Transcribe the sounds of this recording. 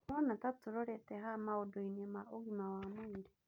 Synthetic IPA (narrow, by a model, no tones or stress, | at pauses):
nɔnatatuɾɔɾɛtɛɦamaodoinemaʔoɣimawamaiɾe